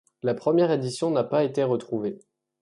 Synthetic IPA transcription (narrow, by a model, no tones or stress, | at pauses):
lapχəmjɛʁed̪isjɔ̃napaet̪eʁət̪χuve